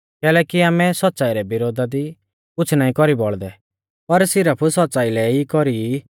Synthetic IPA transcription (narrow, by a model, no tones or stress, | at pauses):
kɛːlɛkiaːmɛsɔt̪ːsaːiɾɛbɪɾoːd̪ʱad̪i | kʊt͡ʃʰnaːĩkɔɾibɔɭd̪ɛ | pɐɾsɪɾəpʰusɔt̪̚ːt͡ʃaːilɛikɔɾi